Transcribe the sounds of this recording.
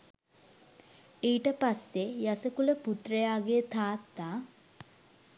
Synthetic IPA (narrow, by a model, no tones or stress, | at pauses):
eiʈəpasːejasəkuləput̪rəjaːɡet̪ʰaːt̪ːaː